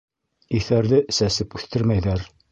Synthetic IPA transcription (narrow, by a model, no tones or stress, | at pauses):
iθæɾðɘsæsɘpʉθt̪ɘɾmæjðæɾ